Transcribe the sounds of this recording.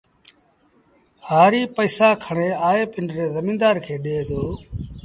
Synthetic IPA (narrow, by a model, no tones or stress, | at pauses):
haːɾiːpəːsaːkʰəɳ̃eːaːeːpɪɳɖɾeːzəmĩːnd̪aːɾkʰeːɗeːd̪oː